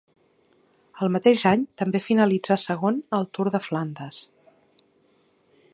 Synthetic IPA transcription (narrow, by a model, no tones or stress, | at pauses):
əlˠmət̪eʒaɲt̪əmbefinəlid͡zasəɣ̞onəlˠt̪uɾðəfland̪əs